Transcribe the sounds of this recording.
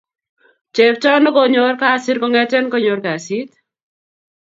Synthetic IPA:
t͡ʃe˨pt͡ʃɔ˦nɔ˦ko˦ɲo˦ɾka˦˨si˦ɾkɔ˦ŋɛ˦tɛ˦nkɔ˦ɲo˨ɾka˨si˦t̪

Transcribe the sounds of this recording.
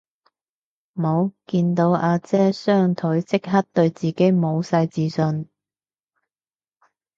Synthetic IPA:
m˨mo˨˧wkiː˧nt̪o˨˥wʔaː˧t͡sɛː˥sœː˥ŋt̪ʰɵ˨˥ɥt͡sɪ˥k̚ɦɐ˥t̚t̪ɵ˧ɥt͡siː˨ke˨˥jmo˨˧wsɐ˧jt͡siː˨˧sɵ˧n

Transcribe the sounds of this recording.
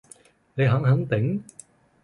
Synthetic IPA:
ne˨˧jɦɐ˨˥ŋɦɐ˨˥ŋt̪ɪ˨˥ŋ

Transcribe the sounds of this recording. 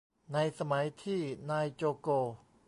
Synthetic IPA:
na˧jsa˧ma˩˦jt̪ʰiː˥˩naː˧jt͡ɕoː˧koː˧

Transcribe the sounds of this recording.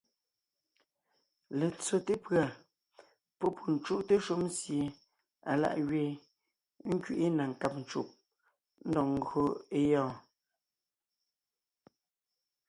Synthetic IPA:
le˨t͡so˨te˦pɰa˨ | pɔ˦pʰu˨n̩˨t͡ʃu˦ʔte˦ʃu˦m˦sje˨ | a˨la̰˦ʔɣɥeː˦˨ | ŋ̩˦kɥi˦˨ʔi˦na˨ŋ̩˨ka˦p̚n̩˨t͡ʃu˦ʔ̚ | n̩˦dɔ˨ŋ̩˨ɡo˦e˦jɔː˦˨

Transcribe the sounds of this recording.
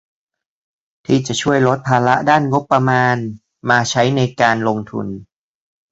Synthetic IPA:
t̪ʰiː˥˩t͡ɕa˨˩ʔt͡ɕʰu˥˩əjlo˦˥t̪̚pʰaː˧la˦˥ʔdaː˥˩nŋo˦˥pːɾa˧maː˧n | maː˧t͡ɕʰa˦˥jna˧jkaː˧nlo˧ŋt̪ʰṵ˧n

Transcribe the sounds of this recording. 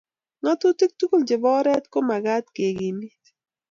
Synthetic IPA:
ŋɔ˦t̪u˦ti˦k̚t̪u˦ku˦ld͡ʒɪ˨bɔ˦ɾɛ˦t̪ko˦ma˨ɡa˦t̪ke˨ɡi˨ni˦

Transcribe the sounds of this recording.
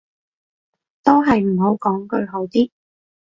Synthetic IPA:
t̪o˥wɦɐ˨jm̩˨˩ɦo˨˥wkɔː˨˥ŋkɵ˧ɥɦo˨˥wt̪iː˥

